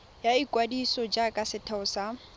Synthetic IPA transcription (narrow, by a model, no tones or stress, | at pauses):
jaikʼwadisɔd͡ʒakʼasɪtʰaʊsa